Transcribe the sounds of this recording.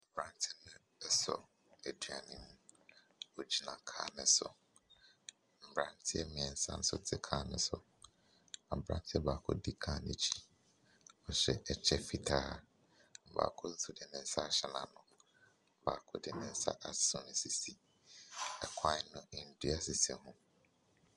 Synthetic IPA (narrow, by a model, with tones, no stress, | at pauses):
m̩˨bɾã˦n˦tʰɪ˦nʊ̃˦ | ɛ˦sɔ̰˨ | ɛ˨du˨a˨nĩ˦m˦ | o˨d͡ʑi˦nã˨kʰa̰ː˦nɪ̃˨˦sʊ̰˨ | m̩˨bɾã˨ntʰɪ˦ɛ˦mĩ˨ɛ̃˨n̩˦sã̰˦n̩˦sʊ̰˦tʰɪ˦kʰaː˦nɪ̰̃˦sʊ̰˨ | a˨bɾã̰˦n˦tʰɪ˦ɛ˦baː˨kʰɔ̰˦dɪ˦kʰã˦nḛ̃˨t͡ɕʰi̥˦ | ɔ˨ɕɛ˦ʔɛ˨t͡ɕʰɛ˦fi˨tʰaː˦˨ | m̩˨ba̰ː˨kʰɔ˦n̩˦sʊ˦dɪ˨nɪ̃˨n̩˦sa˦˨ɕɛ˨nã̰˨nʊ̃˨ | ba̰ː˨kʰʊ˦dɪ˦˨nɪ̃˨n̩˦sa̰˦ʔa˨sʊ˨nɪ̃˨si˨si˦˨ | ɛ˨kʰã˦nʊ̃˦ɪ̃˨n̩˨di˦a˨sɪ˨sɛ˨hũ˦